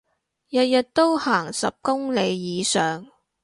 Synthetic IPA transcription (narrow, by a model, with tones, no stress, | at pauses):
jɐ˨t̚jɐ˨t̚t̪o˥whaː˨˩ŋsɐ˨p̚kʊ˥ŋle˨˧jːiː˨˧sœː˨˩ŋ